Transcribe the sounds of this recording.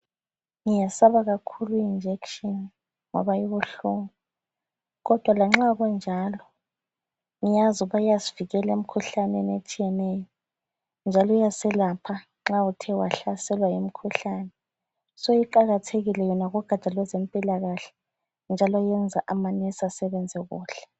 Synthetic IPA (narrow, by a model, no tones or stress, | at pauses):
ŋijasaβaɣakʰuluiind͡ʒʱɛkʃɔn | ŋɔ̰βajiβuɬuŋu | ɣɔd̥ʱwalaŋ͡ǁaɣɔnd͡ʒʱaːlɔ | ŋijazuβajaziviɣɛlem̩kʰuɬanɛnet͡ʃʼijɛnɛjɔ | nd͡ʒʱalɔujasɛlapʰa | ŋ͡ǁautʰɛwaɬasɛlwajim̩kʰuɬaːnɛ | sojiǃaɣatʰeɣilɛjɔnaɣɔɡ̥ʱḁt͡ʃʼalwɛzempʼilaɣaɬɛ̥ | nd͡ʒʱalwajɛnd͡zʱaʔamanɛsasɛβɛnd͡zʱɛɣṵːɬɛ̥